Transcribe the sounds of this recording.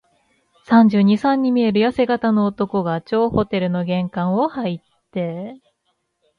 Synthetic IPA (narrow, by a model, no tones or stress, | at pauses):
sãɲ̟d͡ʑɨːɲ̟isãɲ̟ːimʲie̞ɾɯ̟jase̞ɡat̪ano̞ːt̪o̞ko̞ɡat͡ɕo̞ːho̞t̪e̞ɾɯ̟no̞ɡẽ̞ŋkãɰ̃o̞hait̪ːe̞